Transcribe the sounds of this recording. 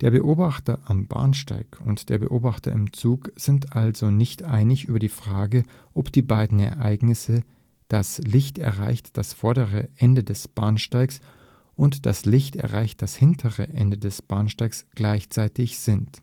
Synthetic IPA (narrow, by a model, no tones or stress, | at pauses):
d̥eːɐbəʔoːbaχtɐʔamba̰ːnʃta̰ɪkʰʊ̰ntd̥eːɐbə̰ʔoːbaχtɐ̰ʔɪmt͡suːkz̥ɪntʔalzonɪçtʔaɪnɪçʔyːbɐdiːfʁ̥aːɡə | ʔɔpd̥iːbaɪdn̩ɛ̰ɐʔaɪɡnɪsə | d̥aslɪçtɛɐʁa̰ɪçtd̥asfɔɐɾəʁəʔɛndədɛsb̥aːɐnʃtaɪks | ʔʊntd̥aslɪçtɛ̰ɐʁaɪçt̚d̥ashɪntʰəʁə̰ʔɛ̰ndədɛsb̥aːnʃtaɪksɡ̥laɪçt͡saɪtɪçz̥ɪnt